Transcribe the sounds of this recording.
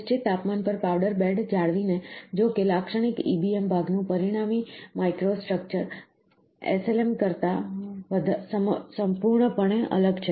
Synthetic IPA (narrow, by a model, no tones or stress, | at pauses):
t͡ʃit̪ːapmanpəɾpawɖəɾbeɖd͡ʒaɭʋined͡ʒokelakʃəɽ̃ikḭbiembʱaɡnũpəɾiɽ̃amimajkɾosʈɾək̚t͡ʃəɾ | ḛselemkəɾt̪aʋəd̪ʱsəsəmpuɾɳəpəɳeʔə̰ləɡt͡ʃʰe